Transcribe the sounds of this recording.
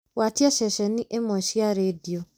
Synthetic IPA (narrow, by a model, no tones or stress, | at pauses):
watiaʃɛʃɛniʔemɔʃiaɾedio